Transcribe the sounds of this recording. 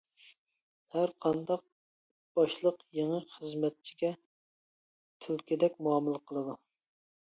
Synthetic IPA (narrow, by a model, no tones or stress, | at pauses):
hæɾqʰɑnd̪ɑq̚ | b̥ɑʃlˠəqjeŋəχəzmɛt̪̚t͡ʃʰi̥ɡʲɛ | t̪ʰylkʲid̪ɛkʲmuɑmɨlˠəqʰəlˠɨd̪u